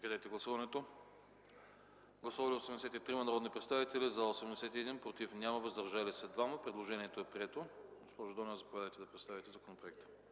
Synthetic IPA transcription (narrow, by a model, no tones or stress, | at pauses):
kd̪ɛjt̪ɛɡlˠɐsuvɐnɛt̪o | ɡlˠɐsuvɐlʲiosɛmd̪ɛsɛt̪it̪ɾimɐnɐɾɔd̪nipɾɛt̪st̪avit̪ɛlʲizɐosɛmd̪ɛsɛt̪iɛd̪inpɾot̪ifnʲamɐvɐzd̪ɐɾʒalisɛd̪vaməpɾɛd̪lˠoʒɛnʲiɛt̪oɛpɾiɛt̪oɡospɔʒʊd̪ɔnəzɐpovʲad̪əjt̪ɛd̪ɐpɾɛt̪st̪avit̪ɛzɐkonopɾoɛkt̪ə̥